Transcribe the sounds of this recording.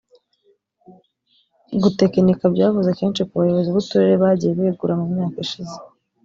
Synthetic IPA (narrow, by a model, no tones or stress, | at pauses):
ɡute̞kenikabɟaːvuzeke̞ːnt͡ʃikuβajoβo̞ziβutuɾeɾeβaːɟijeβeɡuɾamumɲaːkiʃize̥